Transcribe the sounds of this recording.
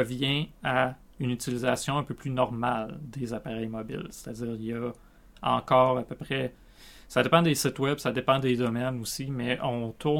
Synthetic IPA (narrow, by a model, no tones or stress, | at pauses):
əvjɛ̃a | ynyt͡silizasjɔ̃ɛ̃pøplynɔʁmald̪ezapaʁɛjmɔbɪ̰lse̥t̪add͡ziːʁiljʌ | ɑ̰̃kɑːʁapøpʁɛ | sad̪epɑ̃d̪esɪt̪wɛbsad̪epɑ̃d̪ed̪ʌmɛnusimɛʔɔ̃t̪ʰu